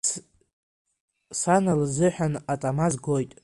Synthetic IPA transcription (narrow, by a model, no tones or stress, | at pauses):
sanalzɨħʷᶣanatʼamazɡo̞jtʼ